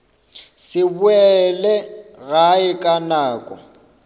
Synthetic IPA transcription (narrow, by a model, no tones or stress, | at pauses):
sɪbʊɛlɛɣaɪkʼanaːkʼɔ̰